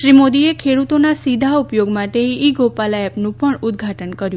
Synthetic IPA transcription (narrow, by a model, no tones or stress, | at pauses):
ʃɾimod̪iekʰeɽut̪onasid̪ʱaupjoɡmaʈeiɡopalaɛpnũpəɳud̪̚ɡʱaʈənkəɾjũ